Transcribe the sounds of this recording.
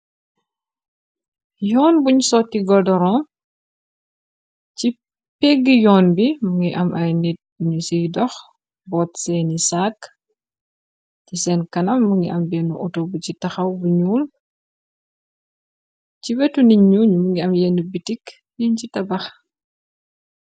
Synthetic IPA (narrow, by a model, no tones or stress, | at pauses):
jɔːnbuɲsɔːtːiɡɔdɔɾɔ̃ | ci | pɛɡːijɔːnbimuŋiʔɐmʔɐjnit̚ɲusijdɔx | bɔːtsɛnisak | cisɛːnkɐnɐmːuŋɡiʔɐmbɛːnuʔɔtobucitɐxɐwbuɲuːl | ciwɛtuniɲuɲumuŋɡiɐmjɛnubitik | jiɲcitɐbɐx